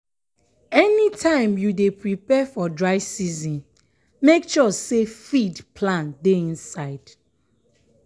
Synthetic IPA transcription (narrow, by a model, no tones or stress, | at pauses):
ɛnitʰãɪ̃mjudepɹipɛfɔdɹaɪsizĩn | mekʃɔsefidpʰlãndeĩnsaɪd̥